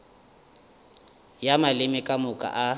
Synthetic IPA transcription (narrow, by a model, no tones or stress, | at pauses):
jamalɪmɪkʼamʊkʼa̰ʔa